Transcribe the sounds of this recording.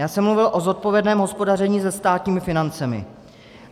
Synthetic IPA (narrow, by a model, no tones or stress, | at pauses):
jaːsɛmːluvɪlʔo̞zo̞t̪̚po̞vjɛdnɛːmɦo̞spo̞dar̝ɛɲiːzɛst̪aːt̪ɲiːmɪfɪnant͡sɛmɪ̰